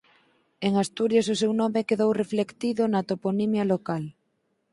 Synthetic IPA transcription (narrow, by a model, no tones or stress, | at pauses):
eŋast̪uɾjasʊsewnɔmekeðowreflekt̪iðʊnat̪oponimjalokal